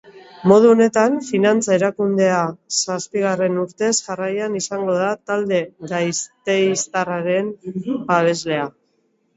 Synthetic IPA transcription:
mo̞ð̞uone̞t̪anfinant͡saeɾakund̪e̞asaspiɣ̞are̞nuɾt̪e̞sʝarajanisaŋɡo̞ðat̪ald̪e̞ɡajst̪e̞jst̪araɾe̞nbaβ̞e̞zle̞a

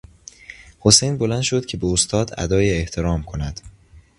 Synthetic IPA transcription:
hosejnbo̞lænʃod̪̚cʲʰebeost̪ʰɒːd̪æ̰d̪ɒːjeeht̪ʰeɾɒːmkʰo̞næd̪̥

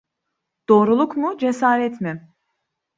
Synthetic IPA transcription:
d̪̥o̞ːɾulˠukmʊd͡ʒesaːɾɛt̪mɪ

